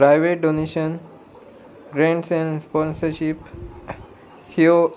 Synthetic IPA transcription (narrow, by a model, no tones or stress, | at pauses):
pɾajʋeʈ̚ɖoneʃən | ɡɾẽɳʈsɛ̃nɾspɔnsəɾɕip | hio